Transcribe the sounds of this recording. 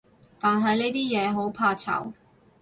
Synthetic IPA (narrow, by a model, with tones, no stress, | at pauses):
t̪aː˨nɦɐ˨jne˥jt̪iː˥jɛː˨˧ɦo˨˥wpʰaː˧t͡sʰɐ̰˨˩w